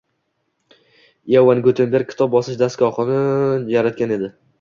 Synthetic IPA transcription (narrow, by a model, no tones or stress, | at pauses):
jawanɡɵt̪ʰenbeɾkʲʰɪ̥t̪ʰɒp̚bɒsɪʃd̪askʲɒχɨnɪjaɾat̪̚kʲane̞d̪ɪ